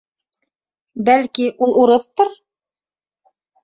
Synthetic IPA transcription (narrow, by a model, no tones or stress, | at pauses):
bælkiʔulˠuɾɤθt̪ɤɾ